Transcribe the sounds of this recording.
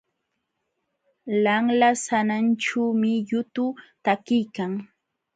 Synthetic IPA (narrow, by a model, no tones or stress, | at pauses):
laŋlasananʈ͡ʂuːmɪjʊt̪ʊt̪akɪjkaŋ